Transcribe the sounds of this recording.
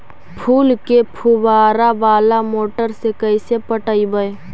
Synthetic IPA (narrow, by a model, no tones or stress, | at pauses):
pʰuːlkepʰuwaːɾaʋaːlamoːʈəɾsekəisepəʈəibəe